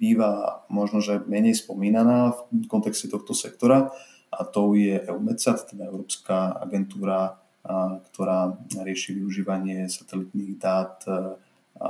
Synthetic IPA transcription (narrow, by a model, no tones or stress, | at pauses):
biːʋamɔʒnɔʒɛmɛɲɛjspɔmiːnanaːfkɔnt̪ɛkscɛt̪ɔxt̪ɔsɛk̚t̪ɔɾa | ʔat̪ɔʊjɛʔɛumɛt͡sat̪t̪ɛd̪aɛʊɾɔːpskaa̰ɡɛnt̪uːɾa | kt̪ɔɾaːɾɪɛʃiːʋiuʒiːʋaɲɪɛsat̪ɛlit̪niːɣd̪aːt̪